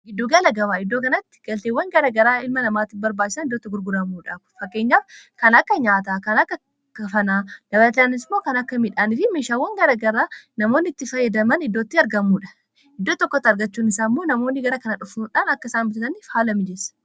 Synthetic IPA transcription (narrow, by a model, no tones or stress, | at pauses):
ɡɪd̪ːoɡɐlɐɡɐwaːɪd̪ːoːkɐnɐt̪ːɪ̥ɡ̥ɐlt̪eːwːɐŋɡɐɾɐɡɐɾaːɪlmɐnɐmaːt̪ɪbɐɾbaːt͡ʃːɪ̥sɐnɪd̪ːoːt̪ːɐɡʊɾɡʊɾɐmuːᶑakʊ̥fɐkːe̞ːɲːaːfkɐnɐkːɐɲaːt̪akɐnɐkːɐ | kɐfɐnaːd̪̥ɐbɐlɐt̪̬ɐanɪsmo̞ːkɐnɐkːɐmɪᶑaːnɪfɪmeːʃaːwːɐŋɡɐɾɐɡɐɾaːnɐmo̞ːnːɪɪt̪ːɪfɐjːɐd̪ɐmɐnɪd̪ːoːt̪ːɪɐɾɡɐmːuːᶑɐ̥ | ʔɪd̪ːoːt̪ɔkːɔt̪ːɐɾɡɐt͡ʃːuːnɪsaːmːo̞ːnɐmo̞ːnːɪɡɐɾɐkɐnɐᶑʊfuᶑaːnɐkːɐɪsaːnbʊt̪ɪsɐniːfhaːlɐmɪd͡ʒɛsɐ̥